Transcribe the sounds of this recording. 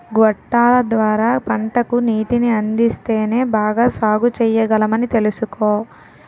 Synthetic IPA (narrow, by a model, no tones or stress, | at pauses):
ɡɔʈːaːlɐd̪ʋaːɾaːpɐɳʈɐkuniːʈiniɐnd̪ist̪e̞ːne̞ːbaːɡaːsaːɡut͡ʃɛjːɐɡɐlɐmɐnit̪e̞lusukoː